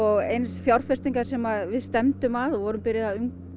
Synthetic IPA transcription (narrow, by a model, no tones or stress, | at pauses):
ɔɣejnsfjawɾ̥r̥fɛst̪iŋkaɾ̥sɛmaðvɪðst̪ɛmt̪ʏmaðɔvɔɾʏmpɪɾɪðaʏŋk